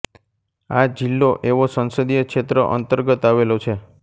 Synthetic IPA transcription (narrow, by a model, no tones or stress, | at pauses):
ad͡ʒilːoʔeʋosə̃nsəd̪ijəkʃet̪ɾəʔə̰nt̪əɾɡət̪aʋelot͡ʃʰe